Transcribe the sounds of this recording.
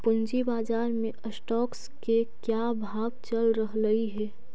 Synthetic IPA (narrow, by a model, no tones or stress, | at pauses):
pʊnd͡ʒibaːd͡ʒaːɾmẽʔəsʈɔːks | kekjabʱaːɡt͡ʃəlɾəɦɾəiɦɛː